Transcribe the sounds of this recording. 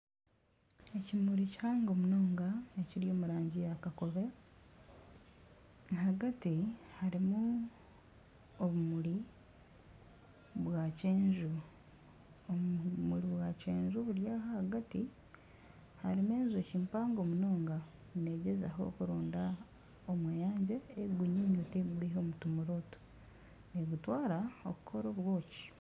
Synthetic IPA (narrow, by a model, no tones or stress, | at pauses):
ecimuɾici̥haːŋɡo̞ːmuno̞ːŋɡaeciɾijo̞ːmuɾaːɲɟijakako̞βe̞ | haɡatihaɾimu | oβumuli | βwaceːɲʒu | omuliβwaceːɲʒuβuɾjaːhahaɡati | haɾimeːnzociːmpaːŋɡo̞muno̞ːŋɡa | ne̞ɟeza̰ɦo̞̰kuɾoːnda | omwejaːɲɟeːɡuɲiɲuteɡuliɦo̞mutumuɾo̞tu̥ | neɡutwaːɾao̰kukʰo̞ɾo̞βwo̞ːci̥